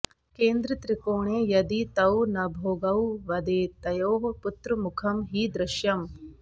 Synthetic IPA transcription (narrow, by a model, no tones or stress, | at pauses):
keːnd̪ɾɐt̪ɾikoːɳeːjɐd̪it̪ɐwnɐbʱoːɡɐwʋɐd̪eːt̪ɐjoːɦput̪ɾumukʰɐmɦiːd̪ɾɪʃjɐm